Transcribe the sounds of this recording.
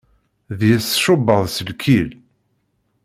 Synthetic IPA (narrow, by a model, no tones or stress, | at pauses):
ðjəsʃʊbːəðˤsəlkʰil